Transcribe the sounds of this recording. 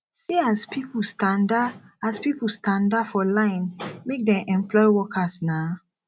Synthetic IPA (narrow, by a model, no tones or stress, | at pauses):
siaspʰipulstãndaaspipulstãndafɔlãɪ̃nmek̚dɛ̃mʔɛ̃mplɔɪwɔkʰasna